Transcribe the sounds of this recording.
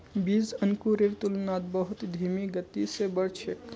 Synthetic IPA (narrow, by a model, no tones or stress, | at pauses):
biːzənkuɾekt̪ʊlnaːt̪̚bəɦʊt̪d̪ʱiːmiɡət̪ːisebəɽt͡ʃʰek